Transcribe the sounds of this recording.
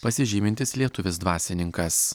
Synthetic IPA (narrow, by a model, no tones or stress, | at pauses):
pɐsʲɪʒʲiːmʲɪnʲt̪ʲɪslʲiɛt̪ʊʋʲɪs̬d̪ʋɑːsʲɪnʲɪŋkɐs